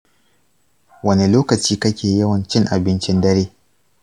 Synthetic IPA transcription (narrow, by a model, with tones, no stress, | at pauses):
wɐ˦ne˨loː˦kɐ˨t͡ʃiː˦kɐ˦kʲeː˨jɐ˦wɐ˨nt͡ʃɪ˦ŋʔa˨bɪ˦nt͡ʃɪ˦ndɐ˦ɾeː˦